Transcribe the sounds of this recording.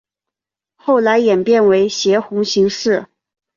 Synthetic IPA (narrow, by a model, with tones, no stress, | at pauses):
xo˥˩ʊla˧˥ɪjɛ˨˩npjɛ˥˩nwe˧˥ɪɕjɛ˧˥xʊ˧˥ŋɕi˧˥ŋʂɻ̩˥˩